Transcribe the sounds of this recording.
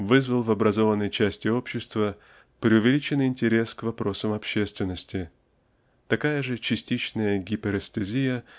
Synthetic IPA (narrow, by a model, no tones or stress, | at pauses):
vɨzvəlˠvɐbɾɐzo̞vənːəjt͡ɕæsʲtʲɪo̞pɕːɪst̪və | pɾʲɪʊvʲɪlʲit͡ɕɪnːɨjɪnʲtʲɪɾʲe̞skvɐpɾo̞səmɐpɕːest̪vʲɪnːəsʲtʲɪ | t̪ɐkajəʐɨt͡ɕɪsʲtʲit͡ɕnəjəɡʲipʲɪɾɛst̪ɨzʲijə